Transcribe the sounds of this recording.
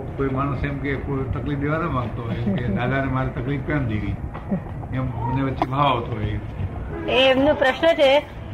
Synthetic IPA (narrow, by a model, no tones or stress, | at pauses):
koimañusemkekot̪əklifd̪eʋanãʋãɡt̪oɦemked̪ad̪anemaɾit̪əklifpə̃md̪eli | ɛmməneʋətːʃebʱaʋaʋt̪oɦeiɾt̪ʰeeemnũpɾəʃnət͡ʃʰe